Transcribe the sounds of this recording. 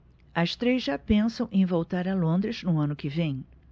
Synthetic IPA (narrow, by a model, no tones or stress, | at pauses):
ɐst̪ɾezʒapẽsɐ̃w̃ʔẽj̃vowt̪aɾɐlõnd̪ɾɪznʊɐ̃nʊkɪvẽj̃